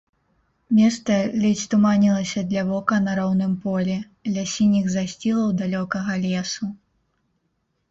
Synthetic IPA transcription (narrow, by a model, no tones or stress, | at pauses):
mʲɛst̪sɐlʲɛt͡sʲt̪umanʲilˠɐsʲɐd̪lʲɐvɔkɐnɐɾɔwnɨmpɔlʲɛ | lʲasʲinʲiɣzasʲt͡sʲilˠɐwd̪alʲɔkɐɣɐlʲɛsu